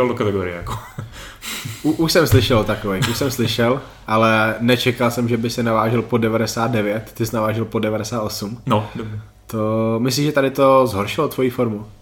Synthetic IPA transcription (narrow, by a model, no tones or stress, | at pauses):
ɛldokat̪ɛɡoɾɪ̰ɛ̰jako̥ | uʔuʃsɛmslɪʃɛlt̪akovɛjuʃsɛmslɪʃɛl | ʔalɛnɛt͡ʃɛkalsɛmʒɛbɪsɪnavaːʒɛlpodɛvadɛsaːt̪̚dɛvjɛt̪t̪ɪsnavaːʒɛlpodɛvadɛsaːt̪ʔosumnod | t̪omɪs̬liːʒɛt̪adɪt̪ozɦoɾʃɪlot̪vo̞jiːfoɾmu